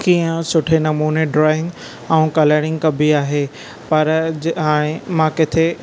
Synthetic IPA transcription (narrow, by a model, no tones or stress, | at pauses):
kiːə̃sʊʈʰenɐmuːneɖɾɔːɪ̃ŋɡ | ɛ̃ũkɐləɽ̃ɪ̃ŋɡkɐbʱiaːɦeː | pɐɾɦaːɽ̃ẽmãːkɪt̪ʰe